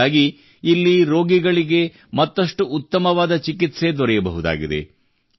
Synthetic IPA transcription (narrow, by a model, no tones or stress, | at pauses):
aːɡiː | lːiɾo̞ːɡiɡɐɭiɡe̞ | mɐt̪ːɐʂʈuut̪ːɐmɐʋaːd̪ɐt͡ʃikit̪se̞d̪ɔɾɛjɐbɐɦud̪a̰ːɡid̪e̞̰